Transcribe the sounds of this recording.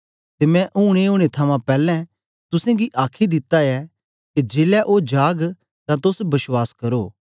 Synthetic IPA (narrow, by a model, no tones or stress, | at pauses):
t̪emɛ̃ʔuːɽ̃eoːɽ̃et̪ʰɐmãpɛːlɛ̃ | t̪ʊsẽɡiʔaːkʰid̪ɪt̪ːaɛ | ked͡ʒeːlɛʔod͡ʒaːɡ | t̪ãt̪ʊsbɐswaːskɐɾoː